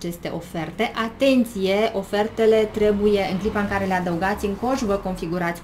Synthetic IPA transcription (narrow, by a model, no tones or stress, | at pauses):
t͡ʃe̞st̪e̞̰ʔo̞fe̞rt̪e̞ʔat̪e̞nt̪sije̞ʔo̞fe̞rt̪e̞le̞t̪ɾe̞buje̞ɨŋklipaɨŋkaɾe̞le̞ad̪əuɡat̪sʲɨŋko̞ʒvəko̞nfiɡuɾat̪sʲ